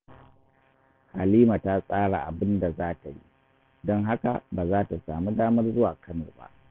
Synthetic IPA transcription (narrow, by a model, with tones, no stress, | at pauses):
ha˨liː˦ma˨ta˦sʼaː˦ɽa˨ʔa̰˨bɪ˦nda˨zaː˦ta˨ji˦ | dɔ˦ŋɦa˦ka̰˨baː˨zaː˦ta˨saː˨mu˦daː˦mɐ˦rzʊ˦waː˨kɐ˦nɔ̰˨ba̰˦ʔ